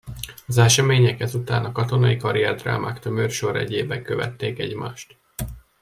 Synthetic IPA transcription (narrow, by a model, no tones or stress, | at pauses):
ɒzɛʃɛmeːɲɛkɛzut̪aːnɒkɒt̪o̞nɒikɒɾiɛrd̪ra̰ːma̰ːkt̪ømørʃo̞ɾɛ̰ɟeːbɛŋkøvɛ̰t̪ːeːkɛɟma̰ːʃt̪